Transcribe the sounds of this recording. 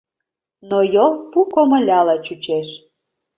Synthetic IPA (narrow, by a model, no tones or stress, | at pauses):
nojolˠpukomə̆lʲɑlɑt͡ɕut͡ɕeʃ